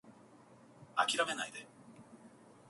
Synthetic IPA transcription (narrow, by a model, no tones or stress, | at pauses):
akʲiɾame̞naid̪e